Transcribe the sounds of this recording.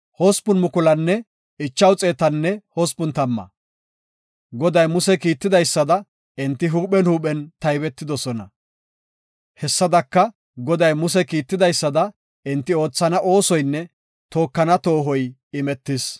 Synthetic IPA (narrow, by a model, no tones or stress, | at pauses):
hɔspʊnmʊkʊlɐnːɛ | ɪt͡ʃːɐwt͡sʼeːt̪ɐnːɛhɔspʊnt̪ɐmːɐ̰ | ɡɔd̪ɐjmʊsɛkiːt̪ːɪd̪ɐjsːɐd̪ɐ | ɪnt̪ːɪɦuːɓɛnhuːɓɛnt̪ɐjbɛt̪ːɪd̪ɔsɔnɐ̰ | hɛsːɐd̪ɐkːɐ | ɡɔd̪ɐjmʊs̬ɛkiːt̪ːɪd̪ɐjsːɐd̪ɐ | ɪnt̪ːɪo̞ːt͡sːɐnɐʔo̞ːsɔjnːɛ | t̪o̞ːkːɐnɐt̪o̞ːɦɔj | ɪmɛt̪ːɪs